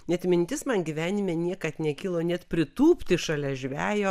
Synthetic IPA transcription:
nʲɛt̪ʲmʲɪnʲt̪ʲɪsmɐnɡʲiʋʲæːnʲɪmʲeːnʲiɛkɐt̪nʲɛkʲiːlˠoːnʲɛt̪pʲɾʲɪt̪uːpʲt̪ʲɪʃɐlʲɛʒʲʋʲæːjoː

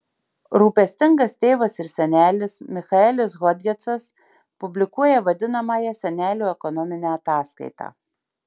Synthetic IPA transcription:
ɾuːpʲɛsʲt̪ʲɪŋɡɐst̪ʲeːʋɐsɪɾsʲɛnʲæːlʲɪsmʲɪxɐɛlʲɪs̬ɣɔd̪ʲɡʲɛt̪sɐs | pʊbʲlʲɪkuɔjɛʋɐd̪ʲɪnɐmɑːjɛsʲɛnʲæːlʲuːɛkɔnɔmʲɪnʲæːɐt̪ɑːskɐ̰ɪt̪ɑ̰ː

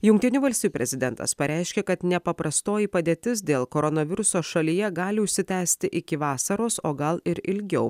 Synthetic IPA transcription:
jʊŋkt̪ʲɪnʲuːʋɐlʲsʲt̪ʲijupʲɛzʲɪd̪ʲɛnt̪ɐ̰spɐɾʲʔæˑɪʃʲkʲeːkɐt̪nʲɛpɐpɾɐst̪oːjipɐd̪ʲeːt̪ʲɪs̬d̪ʲeːlˠkoːɾɔnɐʋʲɪɾʊsoːʃɐlʲijɛɡɑːlʲɪʊʃʲsʲɪt̪ʲæːsʲt̪ʲɪʔɪkʲɪʋɑːsɐɾoːsoːɡɐlˠɪɾɪlʲɡʲɛʊ

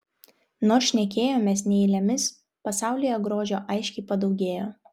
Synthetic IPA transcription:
noːɾʃʲnʲɛkʲeːjoːmʲɛːsnʲɛɪlʲɛmʲɪs | pɐsɑˑʊlʲɪjɛɡɾoːʒʲoːʔɐɪʃʲkʲɛɪpɐd̪ɒʊɡʲeːjoː

